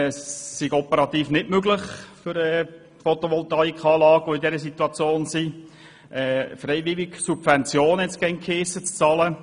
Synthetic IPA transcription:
sːiɡɔpəɾɑt̪iːfnɪtmøɡlɪχfʏɾɛː | fɔt̪ɔʋɔltɑikχɑːlɑːɡʋoidɛɾəsit̪uɑt͡sjoːnsi | ʔɛːfɾɛɪʋɪliksub̥fɛnt͡sjoːnhɛtsɡ̥ɛŋkʰeːsət͡st͡sɑːlə

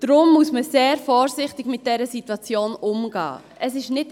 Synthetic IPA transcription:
d̥ɾʊmːusməseːɾfɔːɾsɪχtɪɡmɪt̚d̥ɛɾəsitwɑt͡sjoːnʔʊmɡɑ̰ː | əsɪʃnɪt

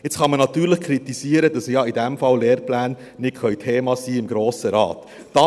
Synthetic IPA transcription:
ɪt͡sχɑmənɑt̪yːɾlɪχkʰɾit̪isiəɾədɑsjɑidɛmfɑlleːɾplæːnː | ɪtkʰœʏtʰeːmɑsiːɪmɡɾoːsəɾɑ̰ːt̪ | d̥ɑ

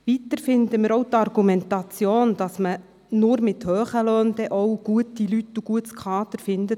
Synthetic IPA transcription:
ʋit̪əɾfɪnd̪əmɪːɾɔwtɑrɡ̥umɛnt̪ɑt͡sjoːnd̥ɑsmə | nʊɾmɪt̪høːχəløːnd̥̪ɛʔɔwɡ̥uətːilytːuɡ̥uətskʰɑːd̪əɾfɪnd̪ə

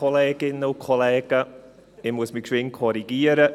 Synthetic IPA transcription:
ɔlɛːɡ̥ɪnːəwkʰɔlɛːɡ̥ə | ɪmwəsmikʰwɪŋkʰɔɾiɡiːəɾə

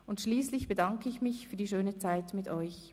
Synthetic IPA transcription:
ʊntʃliːslɪçb̥ədɑŋkəɪçmɪçfyːɐdiːʃøːnət͡saɪtmɪtɔʏç

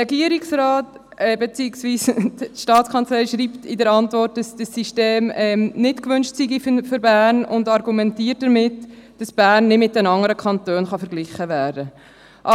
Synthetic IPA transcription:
ɛɡiəɾiksɾɑːt | ɛbɛt͡siɪksviːsʃtɑːt͡skʰɑnt͡slɛɪʃɾiːptɪdəɾɑntvɔrt̚dɑsd̥əsːiʃteːmɛːmnɪtkʋʏnʃtsiɡifføɾbæːɾnʊndɑɾɡumɛntiːət̚d̥əɾmɪtd̥ɑsb̥æːɾnːɪdmɪt̚dɛnɑŋːəɾəkʰɑntøːnχɑfəɾɡlɪχəvæːɾdə | ʔɑ

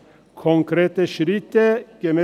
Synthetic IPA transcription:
kʰɔŋkʰɾeːt̪əʃɾɪt̪əɡ̥əmɛ

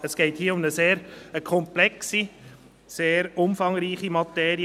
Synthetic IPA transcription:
əsɡ̥ɛɪthiːəʊmnəseːɾkʰɔmplɛksi | seːɾʊmfɑŋɾiːχimɑt̪ɛːɾi

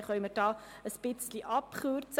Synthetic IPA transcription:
χɔjmətɑːəspitsdiʔɐpχuːrts

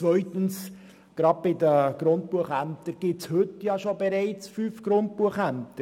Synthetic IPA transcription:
t͡sʋœʏt̪əns | ɡ̥ɾɑd̚b̥ɪdəɡ̥ɾʊnt̚puəχæmt̪əɾɡ̥ɪt͡shɵtjɑʃobɛɾɛɪt͡sfyːfɡ̥ɾʊnt̚puəχæmt̪ə

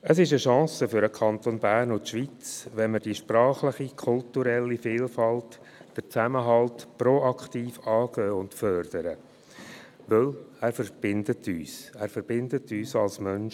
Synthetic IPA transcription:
əsɪʃəʃɑ̃ːsəfʏɾəkʰɑnt̪onbæːɾnʊtʃʋit͡sʋɛnməɾd̥iʃpɾɑːχlɪχikʰʊltuɾɛlːifɪːlfɑlt | d̥ət͡sæməɦɑltpɾoɑkʰt̪iːfɑːɡ̥øːʊntfœrd̥əɾə | ʋɪlæːɾfəɾb̥ɪndətʰyːsæːɾfəɾb̥ɪnd̪ətyːsɑlsmœnʃ

